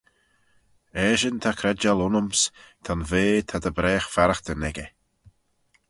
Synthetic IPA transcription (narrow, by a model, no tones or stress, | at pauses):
ɛːʃənt̪ʰakʰɾɛd͡ʒalʊnəmst̪ʰanveːt̪ʰad̪əbɾɛːxfaɾəxd̪ənɛɡə